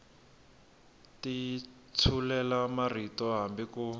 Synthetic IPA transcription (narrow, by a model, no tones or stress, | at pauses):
ti | t͡sʰulɛlamar̤itɔɦambiku